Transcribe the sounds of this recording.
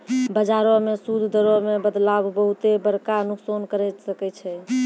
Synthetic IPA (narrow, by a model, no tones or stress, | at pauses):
bəd͡ʒaɾɔmesud̪ʱd̪əɾɔmebəd̪labbəɦut̪ebəɾkanuksonkəɾɛsəkɛt͡ʃʰɛ